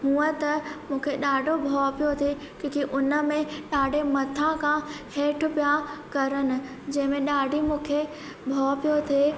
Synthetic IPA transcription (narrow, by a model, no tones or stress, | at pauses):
ɦũːət̪ɐmũːkʰeɗaːɖʱobʱɔːpijot̪ʰe | kõːkiʔʊnə̆mẽɗaːɖʱemɐt̪ʰãkʰãheːʈʰʊ̆pijakɐɾənɪ̆ | d͡ʑɐ̃ɦɪ̃mẽɗaːɖʱimũːkʰe | bʱɔːpijot̪ʰeː